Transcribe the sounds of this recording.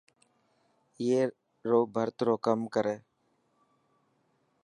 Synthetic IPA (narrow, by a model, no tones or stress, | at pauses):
jeː | ɾoːbʱəɾt̪ɾoːkəmkəɾeː